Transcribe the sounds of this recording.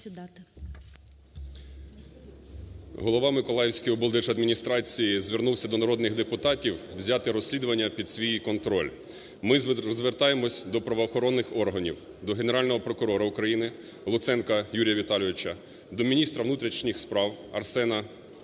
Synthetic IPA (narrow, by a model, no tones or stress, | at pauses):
ɦɔlˠɔʋɑmɪkɔlˠɑjewsʲkɔjɔbɔlˠd̪ɛʒɐd̪mʲinʲist̪ɾɑt͡sʲijizʋʲernuwsʲɐd̪ɔnɐɾɔd̪nɪɣd̪epʊt̪ɑtʲiwwzʲɑt̪ɪɾɔsʲlʲid̪ʊʋɐnʲːɐpʲid̪̥sʲʋʲijikɔnt̪ɾɔ̰lʲ | mɪzʋert̪ɑjemɔsʲd̪ɔpɾɐʋɔːxɔɾɔnːɪxɔrɦɐnʲḭw | d̪ɔɦene̞ɾɑlʲnɔɦɔpɾɔkʊɾɔɾɐʊkɾɐjinɪ | lˠʊt̪sɛnkɐjuɾʲjɐʋʲit̪ɑlʲɪʋʲɪt͡ʃɐ | d̪ɔmʲinʲist̪ɾɐʋnut̪ɾʲit͡ʃnʲixspɾɑwɐ̰rsɛnɐ